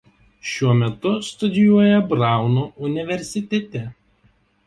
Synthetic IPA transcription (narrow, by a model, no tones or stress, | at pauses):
ʃʲuɔmʲɛt̪ʊst̪ʊd̪ʲɪjuɔjɛbɾɑˑʊnuːʊnʲɪʋʲɛɾʲsʲɪt̪ʲɛt̪ʲɛ